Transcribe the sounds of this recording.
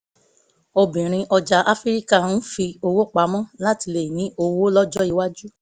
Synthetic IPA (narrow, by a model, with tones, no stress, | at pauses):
o˧bĩ˨ɾ̃ĩ˧ʔɔ˧d͡ʒa˧˦ʔa˦fi˦ɾi˦ka˦˨n̩˦fi˧o˧wo˦˨k͡pa˨˦mɔ̃˦˨la˦ti˧le˨jĩ˨˦ʔo˧wo˦lɔ˦d͡ʒɔ˦i˧wa˦d͡ʒu˦